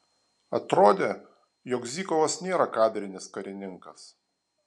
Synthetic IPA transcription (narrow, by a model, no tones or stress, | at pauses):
ɐt̪ɾoːd̪ʲeː | jɔːkzʲiːkɔʋosnʲeːɾɐkɑːd̪ʲɾʲɪnʲɪskɐɾʲɪnʲɪŋkɐs